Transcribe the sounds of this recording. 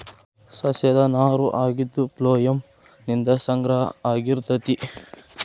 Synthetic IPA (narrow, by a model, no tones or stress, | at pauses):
sɐsɐd̪ɐnaːɾuʔaːɡid̪ːuploːjɐm | nind̪ɐsɐŋɡɾɐɦɐ̰aːɡiɾt̪ɐt̪i